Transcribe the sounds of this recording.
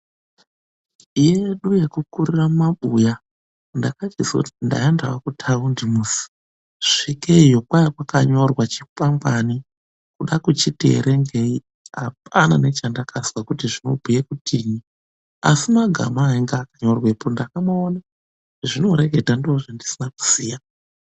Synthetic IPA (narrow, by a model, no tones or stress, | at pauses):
ijeɗuje̞kukuriramaɓuja | ndakatizautinda̰endawakutʰaundimusi̥ | ʐ̥ikeijokwaikwakaɲo̞rwat͡ʃipambani | kuɗakut͡ʃitḛɾe̞ŋɡei | a̰p̚ʰana̰ne̞t͡ʃandakʰaswakutiʐino̞̰bʱujekutʰiɲi | a̰simaɡʱa̰maːiŋɡaːkaɲo̞rwepondakamaona | ʐino̞ɾe̞ɡʱe̞dandooʐandisinaku̥siːja